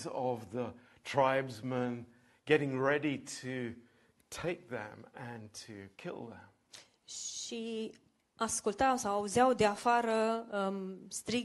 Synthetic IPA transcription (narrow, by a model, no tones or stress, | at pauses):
zʌvðə | tʰɹ̥aɪbzmə̃n | ɡ̥ɛɾɪ̃ŋɹɛɾiɾɨ | tʰeɪk̚ðɨ̰̃mɨ̃ntʰɨkʰɪ̰lˠðə̰̃m | ʃi | askult̪awsawauzawd̪eafaɾə | st̪ɾi